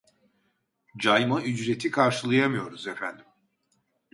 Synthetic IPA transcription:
d͡ʒajmayd͡ʒɾe̞t̪ʰikʰaɾʃɯlˠajamɯjo̞ɾuzefænd̪im

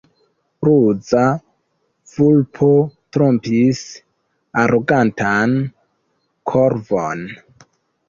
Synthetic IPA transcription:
ɾud͡za | v̥ulpʰotɾompis | aɾʔoɡantan | kʰoɾvon

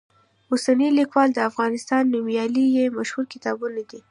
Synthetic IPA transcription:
usanilikwɑld̪əafɣɑnɪst̪ɑnːimjɑlijemaʃhulkɪt̪ɑbunad̪i

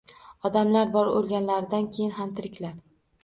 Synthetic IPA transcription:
ɒd̪amlaɾbɒɾolˠɡʲanlaɾɪd̪ankʲʰejɪnɦamt̪ʰɪɾɪkʲlaɾ

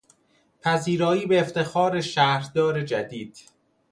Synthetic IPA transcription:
pʰæziːɾɒːiːbeːft̪ʰe̞xɒːɾeʃæːɾd̪ɒːɾed͡ʒæd̪iːd̪̥

